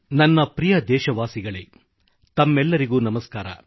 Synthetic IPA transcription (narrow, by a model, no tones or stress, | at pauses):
nɐnːɐpɾijɐd̪ɛːʃɐʋaːsiɡɐɭe | t̪ɐmːɛlːɐɾiɡuːnɐmɐskaːɾɐ̰